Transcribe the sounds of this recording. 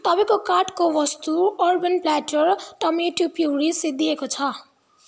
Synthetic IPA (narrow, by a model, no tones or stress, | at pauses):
t̪ʌbʌ̃j̃kokaʈkoʋʌst̪uʌrbʌnplaʈʌɾt̪ʌmeʈjupiuɽised̪iekot͡sʰʌ